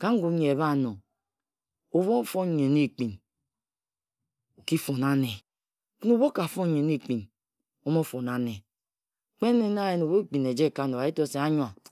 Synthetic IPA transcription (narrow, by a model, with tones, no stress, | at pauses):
ka˦ŋ̩˦ɡu˨˦ɲ˨e˨βa˦˨no˨ | o˨βo˦˨fo˦˨ɲe˨ni˦˨k͡pi˨n | o˨ki˦fo˨na˦ne˨ | kno˦˨βo˦ka˨fo˦ɲe˨ni˦˨k͡pi˨n | o˦mo˦fo˨na˦ne˨ | k͡pe˦ne˦n˦a˦je˨no˨bo˦k͡pi˨ne˨d͡ʒe˦˨ka˨˦˨no˨a˨i˦to˦se˨a˦ɲwa˨